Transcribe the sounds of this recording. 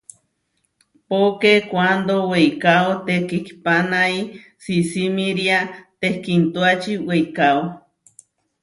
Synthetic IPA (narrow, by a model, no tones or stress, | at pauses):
pokekʷand̪owejkaot̪ekikpanai | sisimĩɾiat̪ehkint̪uat͡ʃiwejkao